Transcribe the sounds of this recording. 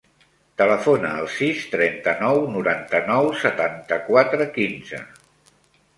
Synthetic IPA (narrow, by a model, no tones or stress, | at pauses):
t̪ələfonəːlˠsist̪ɾɛnt̪ənɔwnuɾant̪ənɔwsət̪ant̪əkwat̪ɾəkinzə̰